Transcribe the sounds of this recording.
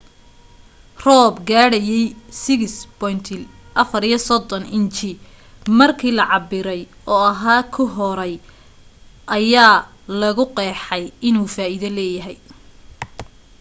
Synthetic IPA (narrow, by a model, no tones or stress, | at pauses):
rɔːbɡaːɽɐjɛjsɪɣɪsbɔjnt̪ʰɪlʔɐfɐɾijɐsɔd̪ɔnɪnt͡ʃɪ | mɐrkʰiːlɐʕɑbɪɾɛj | ɔːɐɦaːkʰʊɦɔɾɛj | ʔɐjaː | lɐɣʊqɛːħɛjɪnuːfaːʔɪðɐlɛːjɐɦɛj